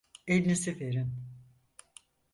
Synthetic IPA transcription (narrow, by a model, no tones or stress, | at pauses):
elʲnisifeɾin